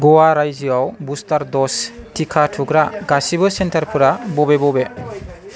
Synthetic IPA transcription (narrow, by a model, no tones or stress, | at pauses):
ɡɔwaɾajd͡ʒiawbustaɾdɔs | tʰikʰatʰuɡɾaɡasibɯsentʰaɾpʰɯɾabɔbebɔbe